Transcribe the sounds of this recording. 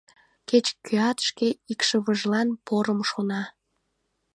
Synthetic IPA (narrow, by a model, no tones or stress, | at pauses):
ket͡ɕkyɑt̪ʃkeikʃəβəʒlɑnpoɾəmʃonɑ